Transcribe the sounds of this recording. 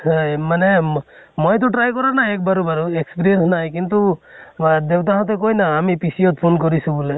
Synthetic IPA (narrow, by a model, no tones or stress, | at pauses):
manemɔjt̪̬ɔʈɾajkɔɾanaek̚baɾubaɾuekspiɾijensnajkint̪u | d̪ewt̪̬aɦãt̪ekojnaːmipisijɔt̪̚pʰonkɔɾisũbule